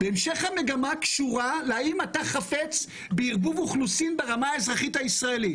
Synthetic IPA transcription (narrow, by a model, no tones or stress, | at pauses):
b̥eemʃe̞χhame̞ɡamakʃuʁaleaimataχafe̞t͡s | beiʁbuvuχlusinbeʁamaːezʁaχithaisʁae̞lit